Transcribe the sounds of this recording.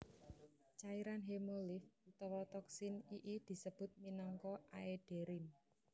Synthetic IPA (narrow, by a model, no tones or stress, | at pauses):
t͡ʃaiɾanɦemolifut̪ɔwɔt̪ɔksɪniʔid̪̥i̤səb̥ʊ̤t̪̚minɔŋkɔʔaeɖ̥e̤ɾɪn